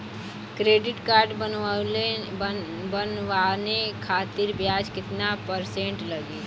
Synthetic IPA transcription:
kɾeːɖɪʈkaːɾɖbəl | bənʋanekʰaːt̪ɪɾbjaːd͡ʒkɪt̪napəɾsẽɳʈləɡiː

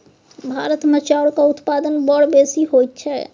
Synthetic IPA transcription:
bʱaɾət̪met͡ʃaɽkaut̪pad̪ənbəɽbesiɦojt̪̚t͡ʃʰɛ

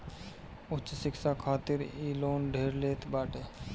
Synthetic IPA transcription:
ʊtːt͡ʃsɪksaːkʰaːt̪ɪɾiːloːnɖʱeːɾleːt̪ʰbaːʈe

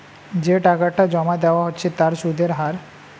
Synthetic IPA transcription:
d͡ʑeʈakaʈad͡ʑɔmad̪eoaɦotːɕʰet̪aɾʃud̪ʱeɾɦaɾ

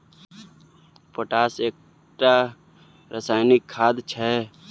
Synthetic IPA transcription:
poʈaːseːk̚ | ʈa | ɾəsaːɪnɪkʰːaːd̪t͡ʃʰɛ

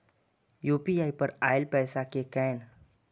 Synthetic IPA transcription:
juːpiaːipɐɾa̰ːɪlpɛːsakekɛːn

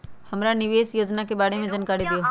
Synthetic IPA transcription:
hɐmɾanɪʋeːsjoːd͡ʒnakebaːɽemẽd͡ʒənkaːɽid̪ɪjoː

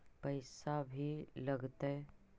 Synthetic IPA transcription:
pɐɪsabʱilɐɡt̪aɛ

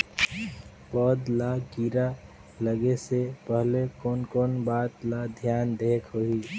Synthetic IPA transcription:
pɔd̪laɡiɾa | ləɡesepəɦlekɔːnkɔːnbaːt̪lad̪ʱjaːnd̪eːkʰɦoɦiː

